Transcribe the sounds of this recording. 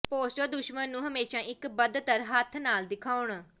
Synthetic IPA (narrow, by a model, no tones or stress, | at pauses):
poːʃəd̪ʊʃmənːũːɦəmeːʃãːʔɪkbəd̪t̪əɾɦət̪ʰnaːld̪ɪkʰaːʊɳ